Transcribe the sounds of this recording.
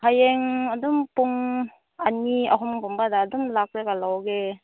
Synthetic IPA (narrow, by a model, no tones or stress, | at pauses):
hajeŋɐdumpuŋ | aniɐɦɔmpumbadaːdumlak̚ɾekalawɡe